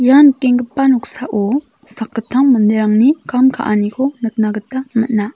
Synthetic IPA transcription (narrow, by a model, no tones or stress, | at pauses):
jankeŋɡəpːanuk̚saʔo | sakːətʰːaŋməndeɾaŋnikamkʰa̰ʔanikʰonək̚naɡətaməna